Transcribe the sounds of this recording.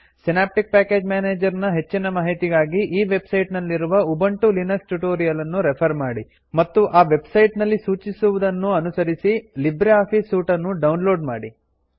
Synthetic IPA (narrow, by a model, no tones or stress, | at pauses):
sinaːp̚ʈik̚paːke̞ːd͡ʒmaːneːd͡ʒɐɾnɐɦe̞t͡ʃːinɐmaːɦit̪iɡaːɡiʔiːʋe̞bsɐjʈnɐlːiɾuʋɐubɐɳʈulinɐksʈuʈoːɾijɐlɐnːuɾepʰɐɾmaːɽi | mɐt̪ːuʔaːʋe̞bsɐjʈnɐlːisuːt͡ʃisuʋud̪ɐnːuɐnusɐɾisilibɾeaːpʰisːuːʈɐnːuɖɐwnlo̞ːɖma̰ːɽi